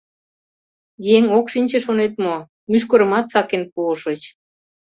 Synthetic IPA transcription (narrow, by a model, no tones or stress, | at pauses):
jeŋokʃinʲt͡ɕeʃonet̪mo | myʃ̬koɾəmɑt̪sɑkenpuʃət͡ɕ